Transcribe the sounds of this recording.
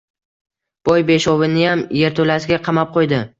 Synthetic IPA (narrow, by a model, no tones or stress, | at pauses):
b̥ɒjbe̞ʃɒvɪnɪjamje̞ɾt̪ʰolasɪɡʲaqʰɑmap̚qʰojd̪ɪ